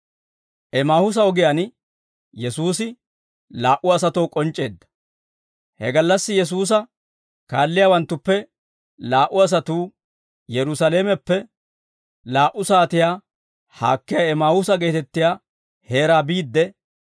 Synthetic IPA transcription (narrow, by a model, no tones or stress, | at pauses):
ʔɛmaːhʊs̬ɐɔɡɪjan | jɛsuːsɪ | laːʔʊɐsɐt̪o̞ːkʼɔnt͡ʃʼːe̞ːd̪ːɐ̥ | hɛ̰ɡɐlːɐsːɪjɛs̬uːs̬ɐ | kaːlːɪjaːwɐnt̪ːʊpːɛ | laːʔʊɐs̬ɐt̪uː | jɛɾʊsaleːmɛpːɛ | laːʔʊsaːt̪ɪjaː | ha̰ːkːɪjaɛmaːhʊs̬ɐɡe̞ːt̪ɛt̪ːɪjaː | he̞ːɾaːbiːd̪ːɛ